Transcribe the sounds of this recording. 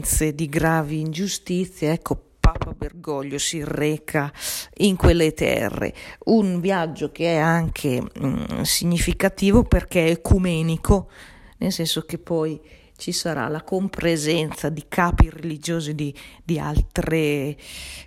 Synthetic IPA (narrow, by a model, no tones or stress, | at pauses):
nt̪sed̪iɡɾaːviːnd͡ʒust̪it̪sːjeɛkːopaːpaberɡɔʎːosirɛːkʰaiŋkwelːet̪ɛ̰rːḛunvjad͡ʒːokeɛaŋkʰe | siɲːifikat̪iːvoperk̟eekumɛːnikʰo | nelsɛnsokepːɔj | t͡ʃisaɾa̰lakompɾezɛnt̪sad̪ikʰaːpiɾelid͡ʒoːzid̪id̪ia̰lt̪ɾe